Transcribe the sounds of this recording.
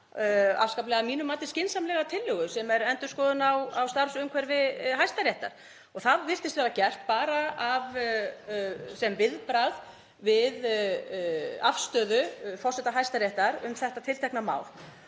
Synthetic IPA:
a̰fskaplɛɣamiːnʏmaːt̪ɪ̥scɪnsamlɛɣat̪ʰɪlːʏɣʏsɛmɛɾɛnt̪ʏskɔðʏnawawst̪aɾsʏmkʰɛɾvɪðɦajst̪aɾjɛjht̪a̰ɾ̥ | ɔɣθaðvɪr̥t̪ɪst̪vɛːɾacɛr̥t̪̚paːɾaav | sɛmvɪðpɾað | vɪð | afst̪œːðʏfɔr̥sɛt̪aɦajst̪aɾjɛht̪aɾʏmθɛht̪at̪ʰɪlt̪ʰɛknama̰ːwl

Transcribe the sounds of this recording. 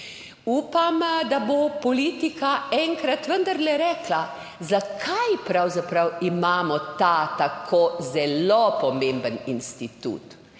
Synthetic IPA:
uːpamd̪abopɔliːt̪ikaɛŋkɾat̪ʋənd̪əɾlɛɾɛːkla | zakʰajpɾawzapɾawimaːmɔt̪at̪akʰozɛlopɔmẽmbəninst̪it̪ṵːt̪

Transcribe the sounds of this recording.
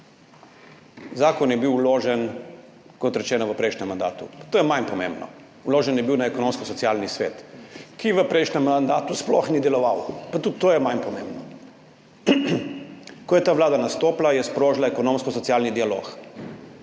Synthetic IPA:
zaːkɔnjɛbiwloːʒɛn | kɔt̪ɾɛt͡ʃɛːnɔʋəpɾɛjʃnɛmːand̪a̰ːt̪ṵpat̪oːjɛmajnpɔmḛ̃mbnɔ̰ | loːʒɛnjɛbiwnaɛkɔnõmskɔsɔtsiaːlnisʋḛt̪kijɛʋəpɾɛjʃnɛmːand̪aːt̪usplɔxnid̪ɛlɔʋawpat̪ut̪ːoːjɛmajnpɔmḛ̃mbnɔ | kɔjɛt̪aːʋlaːd̪anast̪oːplajɛspɾoːʒlaɛkɔnõmskɔsɔt̪ijaːlnid̪ialo̰ːk

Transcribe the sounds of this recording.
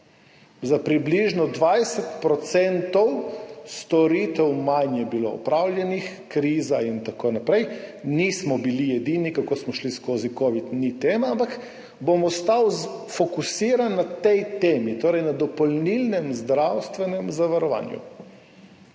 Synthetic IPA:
zapɾibliʒnɔd̪ʋajsɛt̪pɾɔt̪sɛnt̪ɔwst̪ɔɾit̪ɛwmajnjɛbilo̰ɔ̰pɾawljɛnix | kɾiːzaint̪akoːnapɾɛjnismɔbilijɛd̪iːnikakosmɔʃliskoːzikoʋid̪nit̪eːmaampak | bomɔst̪awfɔkusiːɾanːat̪ɛjt̪eːmit̪oːɾɛjnad̪ɔpɔlnilnɛmzd̪ɾawst̪ʋɛnɛmzaʋaɾɔʋa̰ːnjṵ

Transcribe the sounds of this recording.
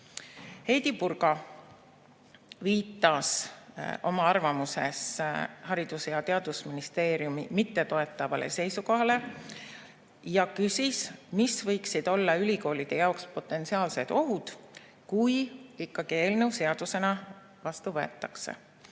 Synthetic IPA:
he̞jd̪̥ipurɡ̥ɑ | viːt̪ːˑɑs | o̞mɑɑrvɑmuse̞shɑɾid̪̥usjɑt̪e̞ɑd̪usminist̪e̞ːɾjumimit̪ːe̞t̪o̞e̞t̪ˑːɑvɑ̰lʔḛse̞jsuko̞ɦɑle̞ | jɑkysismisvɤjksid̪̥o̞lːɑylʲiko̞ːlid̪̥e̞jɑokspo̞t̪ːˑe̞nt̪siɑːlse̞d̪̥o̞ɦud̪̥ | kujikːɑɡ̥ie̞ːlnewse̞ɑd̪̥use̞nɑ | vɑst̪uvɤ̞e̞̰t̪ːˑɑkse̞̰

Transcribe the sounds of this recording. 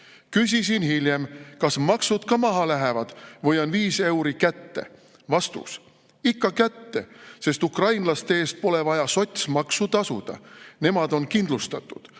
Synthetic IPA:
kys̬ʲisinhilʲje̞mkɑsmɑksud̪̥kɑmɑɦɑlæɦevɑd̪̥vɤjɑnviːse̞wɾikæt̪ːe̞̰ | vɑst̪ṵs | ikːɑkæt̪ːe̞se̞st̪ukrɑjnlɑst̪eeːst̪̚po̞le̞vɑjɑso̞t̪ʲsmɑksut̪ɑsṵd̪̥ɑ̰ne̞mɑd̪̥o̞nkind̪lust̪ɑt̪ˑːud̪̥

